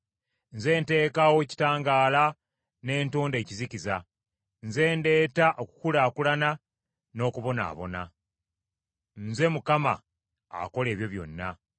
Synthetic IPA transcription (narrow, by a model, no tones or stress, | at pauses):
nze̞ːnte̞ːkawo̞ci̥taːŋɡaːla | ne̞ːntuːnde̞ːciziciza | nze̞ːnde̞ːtaʔoku̥kulaːkulana | no̞ːkuβo̞na̰ːβo̞̰na̰ | nze̞mukama̰ː | ko̞le̞ːβjo̞βjo̞̰nːa̰